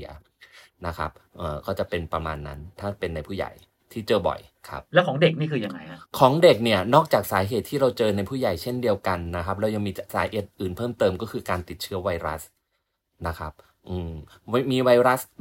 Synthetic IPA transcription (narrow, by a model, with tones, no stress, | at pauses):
ɐ | na˦˥kʰa̰˦˥p̚ʔɤː˨˩kʰɔː˥˩t͡ɕa˨˩pe˧npɾa˧ma̰ː˧nːa̰˦˥nt̪ʰaː˥˩pe˧nːa˧jpʰuː˥˩ja̰˨˩j | t̪ʰiː˥˩t͡ɕɤː˧bɔ̰˨˩jkʰa̰˦˥p̚lɛ˦˥wkʰɔː˩˦ŋde˨˩k̚niː˥˩kʰɯː˧ja˧ŋa˧ja˦˥kʰɔː˩˦ŋde˨˩k̚ni˥˩ɐnɔː˥˩k̚t͡ɕaː˨˩k̚saː˩˦ɦeː˨˩t̪ʰːiː˥˩ɾa˧wt͡ɕɤː˧na˧jpʰuː˥˩ja˨˩jt͡ɕʰe˥˩ndi˧əwka˧nːa˦˥kʰa˦˥p̬̚lɛ˦˥wja˧ŋmiː˧saː˨˦heː˨˩t̪̚ʔɯː˨˩npʰɤː˥˩mt̪ɤː˧mkɔː˥˩kʰɯː˧kaː˧nt̪i˨˩t̪̚t͡ɕʰɯ˦˥ɐwa˧jɾa˦˥s | na˦˥kʰa˦˥p̚ | ʔɯː˧m˧miː˧wa˧jɾa˦˥s